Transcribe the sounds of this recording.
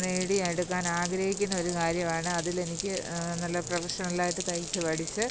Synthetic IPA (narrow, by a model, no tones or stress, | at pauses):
neːɽiɐɽukːaːnaːɡɾɐhik̬ʲːunːɐo̞ɾukaːɾjɐmaːɳɨɐðile̞nikʲːɨnɐlːɐprɐʋɐʂɐnlaːjiʈːɨt̪ɐjt͡ɕːɨʋɐɽit͡ɕːɨ